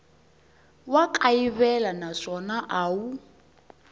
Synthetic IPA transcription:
wakʼaiβɛlanaʂɔnaʔaːwu

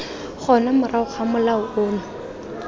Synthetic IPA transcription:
χʰɔnamʊraʊχamʊlaʊʔoːnʊ

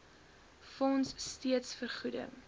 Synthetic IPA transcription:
fɔnsːtiətsfərχudə̰ŋ

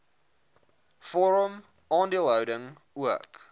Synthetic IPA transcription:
fɔɾəm | ʔɑːndiəlˠɦəwdəŋ | uək

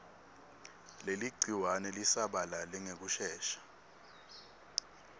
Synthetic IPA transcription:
leliɡ͡ǀʱiwanɛlisaɓalalɛŋek̬uʃɛːʃḁ

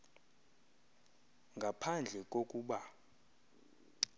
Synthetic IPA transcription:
ŋɡʱapʰand͡ɮʱɛk̬ʼokʼuːɓa

